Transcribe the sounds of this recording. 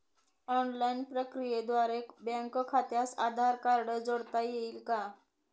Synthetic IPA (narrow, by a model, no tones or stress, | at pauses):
ɔnlainpɾəkɾijed̪ʋaɾebɛ̃ŋkkʰat̪jasad̪ʱaɾkaɾɽəd͡zoɽt̪ajeilka